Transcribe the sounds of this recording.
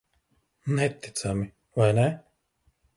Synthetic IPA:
nɛt̪ːi̥t̪sami | vajnɛ

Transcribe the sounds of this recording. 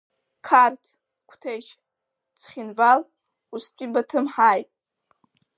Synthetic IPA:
kʰartʰ | kʷʰtʰeʃ | t͡sʰχʲɪnval | ustʷʼibatʰɨmħajtʼ

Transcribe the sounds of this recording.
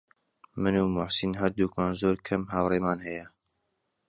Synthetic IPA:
mɨnuːmʊħsinhɐɾd̪uːkmaːnzoːɾkʰɐmɦaːwreːmaːnhɐjɐ

